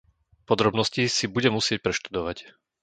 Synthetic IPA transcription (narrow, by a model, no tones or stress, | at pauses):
pɔd̪ɾɔbnɔscisibuɟɛmusɪɛc̚pɾɛʃt̪ud̪ɔʋac